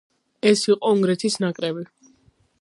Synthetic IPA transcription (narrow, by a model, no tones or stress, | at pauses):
ɛsiqʼɔuŋɡɾɛt̪ʰisnakʼɾɛbi